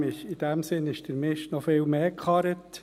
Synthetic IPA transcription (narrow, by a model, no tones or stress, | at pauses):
ɪʃid̥æmsɪnɪʃd̥əɾmɪʃtnɔfɪːlmeːkχɑɾət